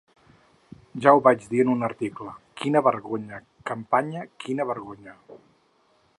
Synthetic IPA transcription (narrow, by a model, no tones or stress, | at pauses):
ʒawβad͡ʒðiənunəɾt̪ikləkinəβəɾɣoɲə | kəmpaɲəkinəβəɾɣoɲə